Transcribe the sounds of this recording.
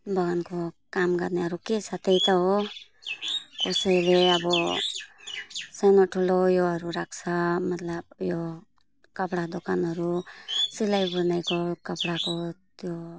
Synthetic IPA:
bʌɡankokamɡʌɾneɦʌɾukesʰat̪ejt̪ʌɦo | kosʌjleʌbʌ | sʌjnoʈʰulojoɦʌɾuɾak̚ʰt͡sʰʌmʌt̪lʌbjo | kʌpɽad̪okanɦʌɾusilajbuɾnajkokʌpɽakot̪jo

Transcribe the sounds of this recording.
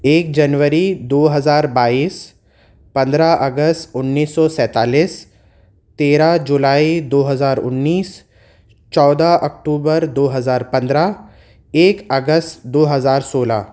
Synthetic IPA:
eːk̚d͡ʒɐnʋəɾid̪oːɦɐzaːɾbaːiːs | pɐ̃nd̪ɾaʔɐɡəst̪ʊnːiːsːɔsɛ̃ːt̪aːliːs | t̪eːɾad͡ʒʊlaːid̪oːɦɐzaːɾʊ̰nːiːs | t͡ʃɔːd̪aʔɐk̚ʈuːbəɾd̪oːɦɐzaːɾpɐ̃nd̪ɾa | eːkɐɡəstd̪oːɦɐzaːɾsoːla̰

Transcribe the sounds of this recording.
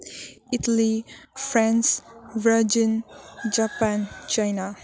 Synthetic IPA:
ɪtəlifɾãnsvəd͡ʒə̃nd͡ʒapãnt͡ʃajna

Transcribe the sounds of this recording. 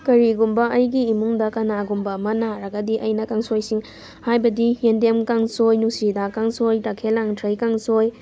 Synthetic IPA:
kɐɾiɡumbɐʔɐjɡiːmuŋdɐkɐnaɡumbɐmɐnaɾɐɡɐdiʔɐjnɐkaŋsojsiŋ | hajbɐdijendemkaŋsojnusidakaŋsojtakʰelaŋtʰɾɐjkaŋsoj

